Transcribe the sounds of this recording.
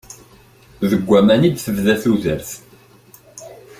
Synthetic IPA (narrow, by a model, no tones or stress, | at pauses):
ðəɡʷːæmænid̪θəvðæθuðəɾθ